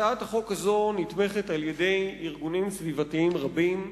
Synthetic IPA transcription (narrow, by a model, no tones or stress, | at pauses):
aataχo̞khazo̞nitme̞χe̞talje̞de̞jiʁɡunimsvivatiimʁabim